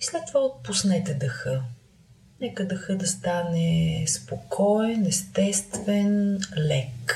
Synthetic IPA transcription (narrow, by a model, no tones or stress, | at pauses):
islɛt̪ːovaot̪̚pusnɛt̪ɛd̪əxə | nɛkəd̪ɐxəd̪ɐst̪anɛspokʰɔɛnɛst̪ɛst̪vɛnlɛk